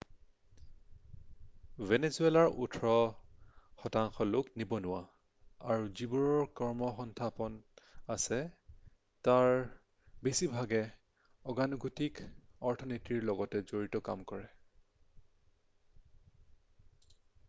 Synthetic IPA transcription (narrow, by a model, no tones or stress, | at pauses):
venesuelaɹṵtʰɹɔ | xɔtaŋxɔlʊknibɔnʊwa | aɹuzibuɹɔɹkɔɹmɔxɔntʰapɔnasɛ | taɹ | besibʱaɡɛ | ɔɡanɔɡutikɔɹtʰɔnitiɹlɔɡɔtɛzoɹitɔka̰mkɔɹɛ